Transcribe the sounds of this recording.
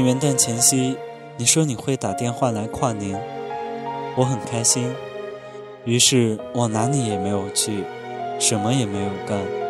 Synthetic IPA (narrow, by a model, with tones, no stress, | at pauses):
ɥɛ˧˥nt̪a˥˩nt͡ɕʰjɛ˧˥nɕi˥ | ni˨˩ʂwɔ˥ni˨˩xwe˥˩ɪt̪a˨˩t̪jɛ˥˧nxwa˥˩la˧˥ɪkʰwa˥˩ni˧˥n | wɔ˧˥xə˨˩nkʰa˥ɪɕi˥n | y˧˥ʂɻ̩˥˩wɔ˨˩na˧˥ni˧˥jɛ˨˩me˧˥ɪjo˨˩ʊt͡ɕʰy˥˩ | ʂə˧˥nmə˧jɛ˨˩me˧˥ɪjo˨˩ʊka˥˩n